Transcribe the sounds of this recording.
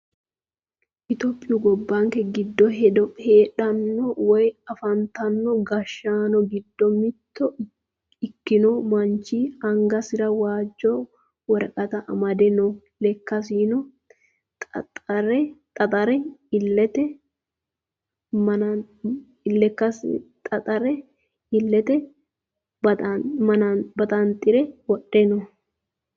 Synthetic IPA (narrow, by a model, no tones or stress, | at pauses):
ʔɪt̪ɔpʼːɪjʊɡɔbːaŋkɛɡɪd̪ːɔɦɛd̪ɔheːᶑɐnːɔwɔjɐfɐnt̪ɐnːɔɡɐʃːaːnɔɡɪd̪ːɔmɪt̪ːɔ | ɪkːɪnɔmɐnt͡ʃːiːɐŋɡɐsɪɾɐwaːd͡ʒːɔ | wɔɾɐkʼɐt̪ɐʔɐ̰mɐd̪ɛnɔ | lɛkːɐs̬iːnɔ | tɐɾɛt̪ʼɐt̪ʼɐɾɛɪlːɛt̪ɛ | mɐ | ɪlːɛkːɐst̪ʼɐt̪ʼɐɾɛ | ɪlːɛt̪ɛ | bmɐnɐbɐt̪ʼɐnt̪ʼɪɾɛwɔɗɛnɔ